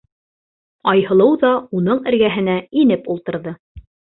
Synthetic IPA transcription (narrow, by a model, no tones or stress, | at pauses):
ɑjhɤ̆lˠɤwðɑunɤɴɘ̆ɾɡæɦɘ̆næinɘpulˠt̪ɤ̆ɾðɤ